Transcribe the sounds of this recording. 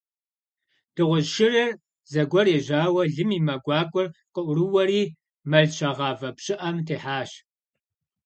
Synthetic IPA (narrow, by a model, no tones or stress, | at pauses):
d̥ɨʁʷʊʒʃɪrɐr | zɐɡʷɔreːʑaːwɐɮɨmiːmɐɡʷɑːkʷʼɔrqʼəʔʷʊɾɨwɐriː | mɐɮʃʰɐʁɑːvɐpɕʼɪʔɐmtʰeːħaːɕ